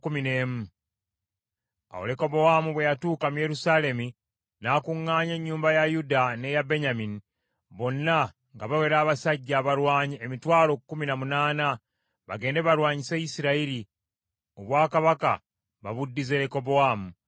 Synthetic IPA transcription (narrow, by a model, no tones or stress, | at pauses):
kumine̞ːmu | a̰wole̞ko̞bo̞amuβwe̞jatuːkamuje̞ɾusaːle̞mi | nakuŋːaːɲe̞ɲːuːmbajajudane̞jabe̞ɲamini | βo̞nːa | ŋɡaβawe̞ɾaːβasaɟːaːβaɾwaːɲiemitwaːlo̞ːkukːuminamunaːna | βa̰ɡe̞ːnde̞βaɾwaːɲisejisiɾaiɾi | oβwaːkaβaka̰ | βa̰βudːize̞ɾeko̞bowamu